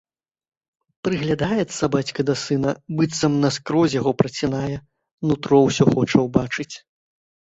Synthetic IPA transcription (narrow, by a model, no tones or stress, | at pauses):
pɾɨɣlʲad̪ajɛt̪sːɐbat͡sʲkɐd̪ɐsɨnɐbɨt̪sɐmnɐskɾɔzʲjaɣɔpɾɐt͡sʲinajɛ | nut̪ɾɔwsʲɔxɔt͡ʂɐwbat͡ʂɨt͡sʲ